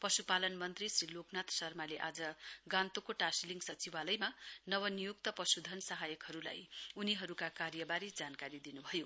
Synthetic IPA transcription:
pʌsupalʌnmʌnt̪risriloknat̪ʰsʌrmaleʔad͡zʌɡãnt̪okoʈasliŋɡsʌt͡sibalʌjmanʌwʌnijukt̪ʌpʌsud̪ʱʌnsʌɦajʌkɦʌɾula̰juniɦʌɾukakaɾjʌbaɾid͡zankaɾid̪inubʱʌjo

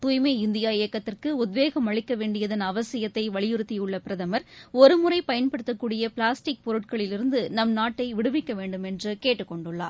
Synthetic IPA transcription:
t̪uːjmɐɪnd̪ɪjaːɪjɐkːɐt̪ːɪrkɯʊd̪ʋeːɣɐmɐɻɪkːɐʋeːɳɖɪjɐðɐnɐʋɐsɪjɐt̪ːɐɪʋɐɭɪjʊɾɯt̪ːiɯɭːɐpɪɾɐðɐmɐɾɔɾɯmʊrɐɪpɐjɐnpɐɽɯt̪ːɐkːuːɽɪjɐpɪɭaːsʈɪk̚pɔɾɯʈ̚kɐɭɪlɪɾɯnd̪ɯnɐmnaːʈːɐɪʋɪɽɯʋɪkːɐʋeːɳɖɯmɛndrɯkeːʈːɯkːɔɳɖɯɭːa̰ː

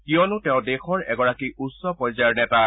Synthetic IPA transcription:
kijɔnʊtɛʊ̃dexɔɹɛ̰ɡɔɹakiusːɔpɔjzaɹnɛta

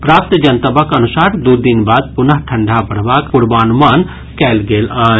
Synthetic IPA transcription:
pɾaːp̚t̪d͡ʒənt̪əbəkənusaɾd̪ud̪inbad̪̚punəɦʈʰə̃ɳɖʱabəɽ̤bakuɾbaːnuman | kɛlɡela

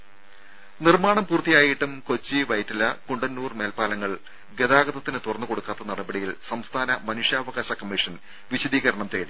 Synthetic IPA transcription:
nirmaːɳɐmpuːrt̪ːijaːjiʈːumko̞t͡ɕːiʋɐjtːilɐkuɳɖɐnːuːrme̞ːlpaːlɐŋːɐɭ | ɡe̞ðaːɡɐðɐt̪ːinɨt̪urɐnːuko̞ɽukːaːt̪ːɐnɐɽɐbɐɽijilsɐmst̪ʰaːnɐmɐnuʂjaːʋɐɣaːɕɐkɐmːiʂɐn | ʋiɕɐd̪iːɣɐɾɐɳɐmt̪e̞ːɽi

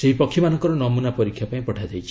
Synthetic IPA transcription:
seɦipɔkʰːimanɔŋkɔɾɔnɔmunapɔɾikʰːjapaĩpɔʈʰad͡ʒajt͡ʃʰi̥

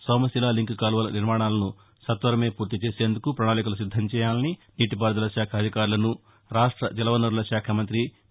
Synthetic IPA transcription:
sɐːmɐsilaːliŋkkaːlʋɐlɐniɾmaːɳaːlɐnu | sɐt̪ʋɐɾɐme̞ːpuːɾt̪it͡ʃe̞ːse̞ːnd̪ukupɾɐɳaːlik̬ulusid̪ʱːɐmt͡ʃɛːjaːlɐniniːʈipaːɾd̪ɐlɐʃaːkʰɐːd̪ʱikaːɾulɐnu | ɾaːʂʈɾɐd͡ʒɛlɐʋɐnɐɾulɐʃaːkʰɐmɐnt̪ɾi

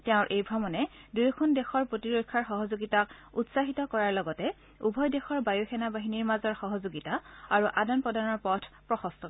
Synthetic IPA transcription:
tɛʊ̃ɹʔejbʱɹɔmɔnɛdujkʰundɛxɔɹpɹotiɹokʰːaɹxɔɦɔzoɡitakutsaɦitɔkɔɹaɹlɔɡɔtɛ | ubʱɔjdexɔɹbajuxʰɛnabaɦiniɹmazɔɹxɔɦɔzoɡitaaɹuʔadɔnpɔdanɔɹpɔtʰpɹɔxɔstɔ

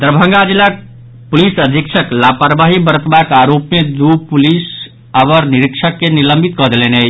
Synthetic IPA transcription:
d̪ɾbʱə̃ŋɡad͡ʒilːa | pulisəd̪ʱikt͡ʃʰəklapaɾbaɦibəɾət̪bakaɾopmed̪upulis | aβəɾniɾikt͡ʃʰəkːeniləmbʱit̪̚kɔɦd̪elenet͡ʃ

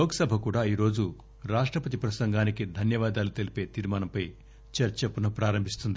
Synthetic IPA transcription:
lɔːkɐsɐbʱɐkuːɽaːiːɾo̞ːd͡ʒu | ɾaːʂʈɾɐpɐt̪̬ipɾɐsɐŋɡaːnikid̪ʱɐnjɐʋaːd̪aːlut̪elipe̞ːt̪iːɾmaːnɐmpɐj | t͡ʃɐɾt͡ʃɐpunɐpɾaːɾɐmbʱist̪und̪i

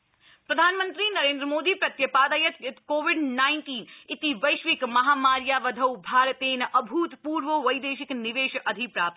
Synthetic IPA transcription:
pɾɐd̪ʱaːnmənt̪ɾinɐɾẽːnd̪ɾəmoːd̪iːpɾɐt̪jɐpaːd̪ɐjɐt̪t̪koːʋiɖnaːɪnʈiːnit̪iʋɐjʃʋikmɐɦaːmaːɾjaʋɐd̪ʱɐwbʱaːɾt̪eːnʔɐbʱuːt̪puːɾʋəʋɐjd̪eːʃikniʋeːʃʔɐd̪ʱipɾaːp̚t̪

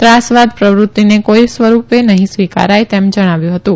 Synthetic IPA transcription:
t̪ɾasʋad̪pɾəʋɾut̪ːinekoisʋəɾupenəɦĩsʋika̰ɾajt̪emd͡ʒəɽ̃aʋjũɦət̪ũ

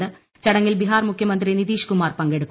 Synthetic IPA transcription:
ɨ | t͡ɕɐɽɐŋːilbiɦaːrmukʰjɐmɐnd̪rinit̪iːʂkumaːrpɐŋɡeɽukːu

